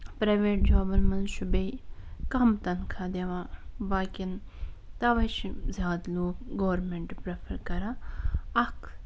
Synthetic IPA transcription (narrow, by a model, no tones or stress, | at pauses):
pɾɐjʋeːʈ̚d͡ʒaːbɐnmɐnʃubeikɐmt̪ɐnkʰad̪eʋaːbaːkʲint̪ɐʋɐjt͡ʃʰizjaːd̪loːkɡoːʋɾmeɳʈpɾepʰɐɾkɐɾaːɐkʰ